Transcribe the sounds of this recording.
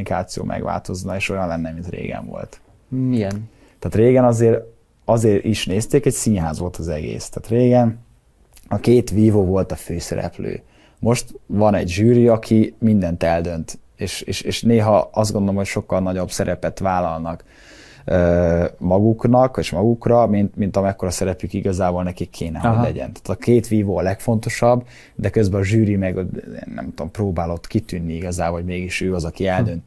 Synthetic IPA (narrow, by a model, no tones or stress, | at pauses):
nikaːt̪sijo̰ːmʔɛ̰ɡʋa̰ːlt̪o̞znɒeːʃojɒnlɛnːɛmint̪ɾḛːɡɛ̰ɱvo̰lt̪ | iɛn | t̪aːt̪ɾeːɡɛnɒzeːɾ | ɒzeːɾiʃneːst̪eːkɛcsiːnɦaːzʋo̞lt̪ʰɒzɛɡḛːst̪aːt̪reːɡɛn | ɒkeːt̪ʋiːvoːvo̞lt̪ɒføːsɛ̰ɾɛ̰plø̰ː | mo̞ʃt̪vɒnɛɟʒyːɾiɒkʰimind̪ɛnt̪ɛld̪ønt̪ | eːʃeːʃeːʃneːɦɒɒzt̪ɡo̞nd̪olomɦo̞cʃo̞kːɒlnɒɟo̞bsɛɾɛpɛt̪ʋaːlɒlnɒk | øːmɒɡuknɒkeʃmɒɡukrɒmint̪mint̪ɒmɛkːoɾɒsɛɾɛplykiɡɒzaːbolnɛkikʰːeːnɛɦoɟlɛ̰ɟɛ̰nt̪ḁːt̪ɒkeːt̪ʋiːvoːɒlɛkfo̞nt̪o̞ʃɒbː | d̪ɛkøzbɛɒʒyːɾimɛɡ̰nːɛ̰mt̪uomproːbaːlo̞t̪kit̪ynːiiɡɒzaːboːomeːɡiʃøːɒzɒkiɛld̪ø̞nt̪